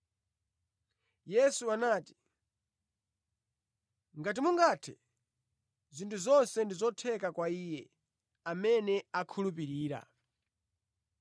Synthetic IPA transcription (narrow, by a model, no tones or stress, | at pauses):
jɛsuanaːti̥ | ŋɡat̬imuŋɡaːtʰɛ | zintʰuzɔnsɛndizɔtʰɛkakwaiːjɛ | amɛnɛakʰulupiɾiːɾa̰